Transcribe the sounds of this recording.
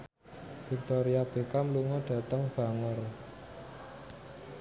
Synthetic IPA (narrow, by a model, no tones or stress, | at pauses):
fik̚t̪oɾiab̥e̤kamluŋɔɖ̥ä̤t̪əŋb̥a̤ŋər